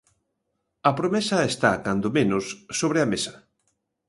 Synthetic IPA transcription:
ɐpɾomesɐest̪a̰kand̪omenʊsːoβ̞ɾeɐmesɐ̥

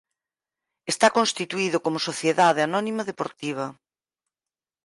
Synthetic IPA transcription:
est̪akonst̪it̪uiðʊkomʊsoθjeðað̞eanɔnimɐðepoɾt̪iβ̞ɐ

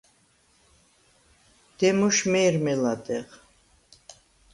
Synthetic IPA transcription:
d̪̥ɛmuʃmɛːɾmɛlad̪ɛʁ

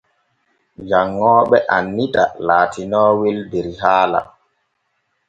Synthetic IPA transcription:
d͡ʒaŋːɔːɓɛʔanːitalaːtʰinɔːweldeɾiɦaːla̰

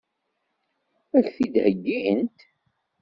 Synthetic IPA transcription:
æçθid̪həɡːiənt̪

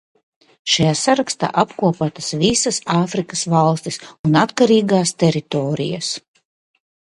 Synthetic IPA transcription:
ʃajaːsaɾakst̪a̰ːʔapkuɔpat̪ɐsvisasaːfɾikasvalˠst̪isunat̪kaɾiːɡaːst̪ɛɾit̪oːɾḭja̰s

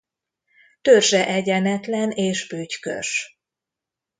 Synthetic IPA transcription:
t̪ørʒɛʔɛɟɛnɛt̪lɛneːʃbyːckø̰ʃ

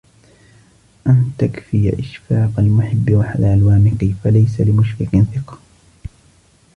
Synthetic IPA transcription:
ʔant̪akfɪja̰ʔɪʃfɑːqalmʊħɪbːɪwaħad̪ʕalwaːmɪqifalajsalɪmʊʃɾɪkɪnθɪqɑ̥

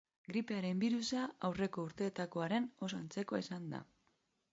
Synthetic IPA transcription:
ɡɾipe̞aɾe̞mbiɾusaawre̞ko̞uɾt̪e̞ːt̪ako̞aɾe̞no̞s̬ant͡se̞ko̞isand̪a̰

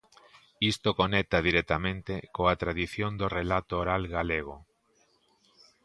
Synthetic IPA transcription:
ist̪okonɛk̚t̪aðiɾɛt̪amẽnt̪ekoat̪ɾaðiθjond̪orelat̪oːɾalɣaleɣ̞o

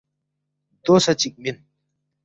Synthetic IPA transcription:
d̪osɐt͡ɕik̚min

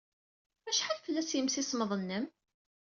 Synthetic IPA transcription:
æʃħalfəlːæsjəmsisməðˤənːəm

